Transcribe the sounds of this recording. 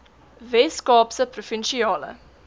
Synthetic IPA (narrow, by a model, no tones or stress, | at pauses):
veːskɑːpsəprofinʃiɑːlə̰